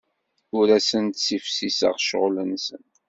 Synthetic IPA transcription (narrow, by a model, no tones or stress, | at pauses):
ʊɾæsənt̪sifsisə̰ʁʃʁlənsən